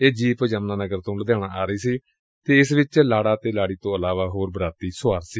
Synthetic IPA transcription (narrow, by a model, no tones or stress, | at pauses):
eːd͡ʒiːpəd͡ʒəmnaːnəɡəɾt̪õːləd̪jaːɽ̃aːaːɾəiːsiː | t̪eːɪsʋɪt͡ʃlaːɽaːt̪eːlaːɽiːt̪õːəlaːʋaːɦoːɾbɾaːt̪iːsʊaːɾsiː